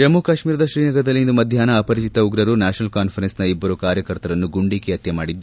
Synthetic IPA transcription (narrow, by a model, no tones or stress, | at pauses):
ɐmukaʃmiːɾɐd̪ɐʃɾiːnɐɡɐd̪ɐlːiind̪umɐd̪ʱjaːnɐːpɐɾit͡ʃit̪ɐuɡɾɐɾunaːʃɐnɐlkaːnpʰɐɾensnɐibːɐɾukaːɾjɐkɐɾt̪ɐɾɐnːuɡuɳɖikeɐt̪jɐmaːɽid̪ːu